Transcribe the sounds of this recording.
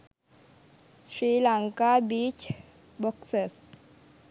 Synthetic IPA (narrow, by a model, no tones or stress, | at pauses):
sɾilaŋkabit͡ʃ | boksəs